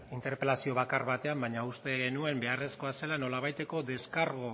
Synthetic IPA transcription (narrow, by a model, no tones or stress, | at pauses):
int̪e̞ɾpe̞lasio̞βakaɾβat̪e̞ambaɲaust̪e̞ɣe̞nue̞mbe̞are̞sko̞ase̞lano̞laβajt̪e̞ko̞ðe̞skaɾɣo